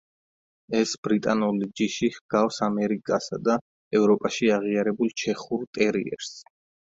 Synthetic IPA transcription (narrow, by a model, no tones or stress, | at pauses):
ɛsbɾit̪ʼanulid͡ʒiʃihɡ̥afsamɛɾikʼasad̪a | ɛvɾɔpʼaʃiaʁiaɾɛbulˠt͡ʃʰɛχuɾt̪ʼɛɾḭɛ̰ɾs